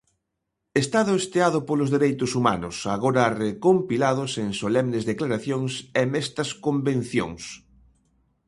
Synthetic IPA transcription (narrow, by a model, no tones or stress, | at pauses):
est̪aðʊest̪eaðʊpolʊzðeɾejt̪ʊsuma̰nʊsaɣoɾarekompilaðʊseŋsolɛmnɪzðeklaɾaθjoŋsɛmɛst̪ɐskombẽn̟θjo̰ŋs